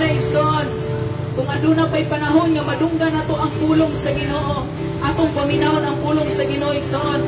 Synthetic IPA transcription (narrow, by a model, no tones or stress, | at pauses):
aʔɪɡsoʔon | kʊŋɐd̪unapajpanaɦonŋɐmad̪ʊŋɡanaːt̪oʔɐŋpuːloŋsɐɡɪnoʔo | ʔat̪oŋpamɪnaʔonɐŋpuːloŋsɐɡɪnoʔoɪksoʔon